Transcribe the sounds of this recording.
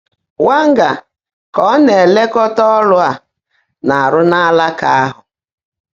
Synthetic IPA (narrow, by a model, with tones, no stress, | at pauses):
wa˦ŋ̩˦ɡa˨ | kɔ˦ne˨le˦kɔ˦tɔ˦ɔ˦lʊ˦a˨ | na˨a˨ɾʊ˦na˦la˦ka˦a˦ɦʊ˨